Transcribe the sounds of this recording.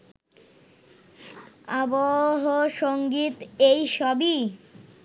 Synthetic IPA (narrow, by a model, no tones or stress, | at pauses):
aboɦoʃoŋɡit̪ejʃɔbi